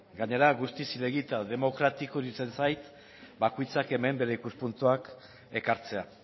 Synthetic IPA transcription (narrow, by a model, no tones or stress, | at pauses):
ɡaɲe̞ɾaɣust̪isile̞ɣit̪aðe̞mo̞kɾat̪ikoðit͡se̞nsajt̪ | bakojt͡sake̞me̞mbe̞ɾe̞ikuspunt̪uak | e̞kaɾt͡se̞a